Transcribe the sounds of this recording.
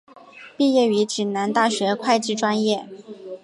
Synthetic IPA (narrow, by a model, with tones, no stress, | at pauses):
pi˥˧jɛ˥˩y˧˥t͡ɕi˨˩nna˧˥nt̪a˥˩ɕɥɛ˧˥kʰwa˥˧ɪt͡ɕi˥˩ʈ͡ʂwa˥njɛ˥˩